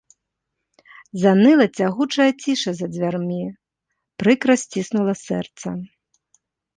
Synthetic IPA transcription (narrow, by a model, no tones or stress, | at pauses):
zanɨlˠɐt͡sʲaɣut͡ʂɐjɐt͡sʲiʂɐzɐd͡zʲvʲarmʲi | pɾɨkɾɐsʲt͡sʲisnulˠɐsɛ̰rt̪sɐ̰